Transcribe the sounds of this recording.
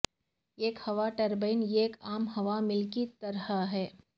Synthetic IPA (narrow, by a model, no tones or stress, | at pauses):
eːkhɐʋaʈɐɾbeɪnjeːkaːmɦɐʋamɪlkit̪ɐɾɦəɦɛː